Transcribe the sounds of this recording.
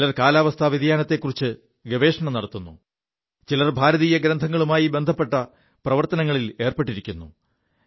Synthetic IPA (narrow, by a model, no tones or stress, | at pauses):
lɐrkaːlaːʋɐst̪ʰɐʋiðɐjaːnɐt̪ːe̞kːurit͡ɕːɨ | ɡeʋe̞ːʂɐɳɐmnɐɽɐt̪ːunːu | t͡ɕilɐrbʱaːɾɐðijɐɡɾɐnd̪ʱɐŋːɐɭumaːjibe̞nd̪ʱɐpːe̞ʈːɐ | prɐʋɐrt̪ɐnɐŋːɐɭile̞ːrpeʈːiɾikʲːunːu